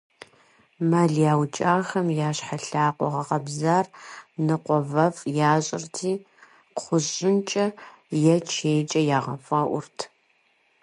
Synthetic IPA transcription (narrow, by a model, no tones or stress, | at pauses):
maːɮjaːwt͡ʃʼaːxɐmjaːɕħaɬaːqʷɔ̰ʁɐʁɐbzaːrnɨqʷɔvɐfjaːɕʼɪ̰rtʰiː | qʷʊɕʼɪnt͡ʃʼɐ | jɛt͡ʃʰeːjt͡ʃʼɐjaːʁɐfʼɐʔʷʊrtʰ